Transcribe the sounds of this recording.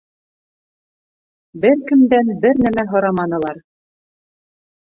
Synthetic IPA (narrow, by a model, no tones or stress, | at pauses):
bɘɾkɘ̆md̪ænbɘɾnæmæɦŏɾɑmɑnɤ̆lˠɑɾ